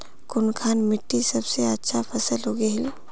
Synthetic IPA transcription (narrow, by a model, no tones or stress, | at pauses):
kʊnkʰaːnmɪʈːisəbseɐtːʃʰapʰɐsəlɦoɡeɦɪl